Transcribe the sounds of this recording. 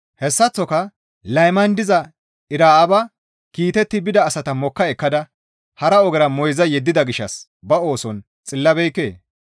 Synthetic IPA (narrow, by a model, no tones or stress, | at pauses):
hɛsːɐt͡sːɔkɐ | lɐjmɐnd̪ɪzɐ | ɪɾaːɐbɐ | kiːt̪ɛt̪ːɪbɪd̪ɐːsɐt̪ɐmɔkːɐɛkːɐd̪ɐ | hɐɾɐɔɡɛɾɐmɔjzɐjɛd̪ːɪd̪ɐɡɪʃːɐs | bɐo̞ːsɔn | t͡sʼɪlːɐbɛjkːḛː